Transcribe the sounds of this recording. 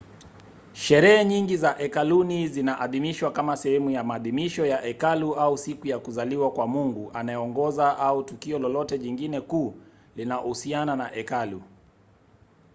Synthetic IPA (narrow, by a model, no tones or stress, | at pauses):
ʃɛɾɛɛɲiŋɡizaʔɛkalunizinaʔaðimiʃwakamasɛhɛmujamaːðimiʃɔjaʔɛkaluausikujakuzaliwakwamuŋɡuʔanajɛɔŋɡɔzaʔautukiɔlɔlɔtɛʄiŋɡinɛkuː | linaɔhusiananaʔɛkalu